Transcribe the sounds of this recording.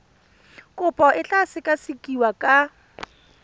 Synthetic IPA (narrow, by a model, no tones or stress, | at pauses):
kʼʊpʼɔʔɪɬasɪkʼasɪkʼiwakʼa